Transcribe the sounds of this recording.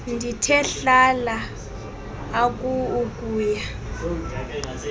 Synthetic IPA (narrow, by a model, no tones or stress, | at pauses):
ndʱitʰɛɬala | k̬ʼuːkʼuːja